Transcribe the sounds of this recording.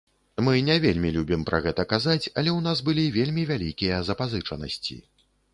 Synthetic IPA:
mɨnʲavʲelʲmʲilʲubʲimpɾʔɐɣɛt̪ɐkazat͡sʲɐlʲɛwnasbɨlʲivʲelʲmʲivʲalʲikʲijɐzɐpazɨt͡ʂɐnɐ̰sʲt͡sʲḭ

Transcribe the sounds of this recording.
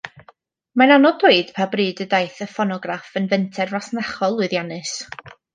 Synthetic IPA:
mananɔdwoɨd̥pʰabrɨːdədajθəfɔnɔɡrafənvɛntʰɛrvasnaχɔlˠːʊɨðjanɨs

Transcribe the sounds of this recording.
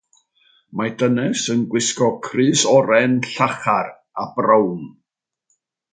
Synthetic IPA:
madənɛsənɡwɪskɔkʰrɨːsɔɾɛnɬaχar | abrəwn

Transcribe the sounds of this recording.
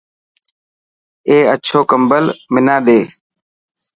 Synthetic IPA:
eːət͡ʃʰoːkəmbəlmɪnaːɗeː

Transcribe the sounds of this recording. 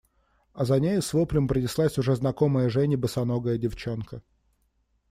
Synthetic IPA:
ɐzɐnʲejʊsvopɾʲɪmpɾənʲɪslˠasʲʊʐɛznɐkoməjəʐɛnʲɪbəsɐnoɡəjədʲɪft͡ɕonkə

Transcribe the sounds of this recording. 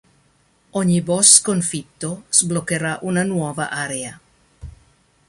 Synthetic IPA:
oɲiboskonfit̪ːozblokeɾaʔunanwɔva̰ʔaɾea

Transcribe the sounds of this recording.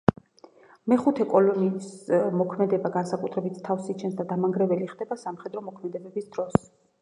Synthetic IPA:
mɛχut̪ʰɛkʼɔlɔnismɔkʰmɛd̪ɛbaɡansakʼut̪ʰɾɛbit̪ʰt̪ʰafsit͡ʃʰɛnsd̪ad̪amaŋɡɾɛvɛliχd̪ɛbasamχɛd̪ɾɔmɔkʰmɛd̪ɛbɛbisd̪ɾɔs

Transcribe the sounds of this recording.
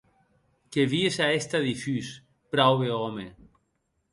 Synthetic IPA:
keβiesaest̪aðifys | pɾawβeɔme

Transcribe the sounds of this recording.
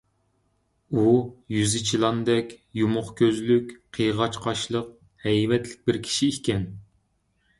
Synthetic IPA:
ujyzɪt͡ʃʰilˠɑnd̪ɛkʲjumʊχkʲʰøzlykʲqʰəjʁɑt͡ʃqʰɑʃlˠəq̚ | hɛjmɛt̪lɪk̚ʲbɪɾkʲʰi̥ʃiːkʲɛn

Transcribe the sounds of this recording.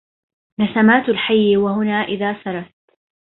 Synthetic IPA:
nasamaːt̪ʊlħajːwahʊnaːʔɪðaːsɑɾˤɑt̪

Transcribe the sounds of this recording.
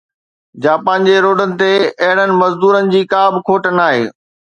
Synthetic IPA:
d͡ʑaːpãːɲd͡ʑeɾoːɖənɪ̆t̪eɐɦɪɽənɪ̆mɐzd̪uːɾənɪ̆d͡ʑiːkaːbɪkʰoːʈənaːɦḛː

